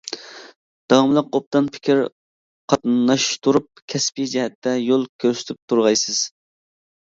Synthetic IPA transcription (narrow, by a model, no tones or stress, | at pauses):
d̪̥ɑwɑmlˠəqop̚t̪ɑnpʰɪ̥kʲʰɪɾ | qʰɑt̪nɑʃt̪ʰuɾup̚kʲʰɛspid͡ʒɛɦɛt̪ʰːɛjolˠkʲʰøɾsɪ̥t̪ʰyp̚t̪ʰuɾʁɑjsɨz̥